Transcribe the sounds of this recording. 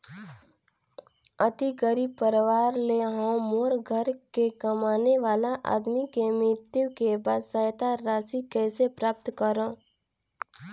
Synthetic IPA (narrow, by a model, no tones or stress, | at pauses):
ət̪iɡəɾipəɾʋaːɾleɦõmoːɾɡʱəɾkekəmaːneʋaːlaʔa̰ːd̪mikemɪt̪jukebaːd̪səjt̪aɾaːsikɛːsepɾaːp̚t̪kəɾõː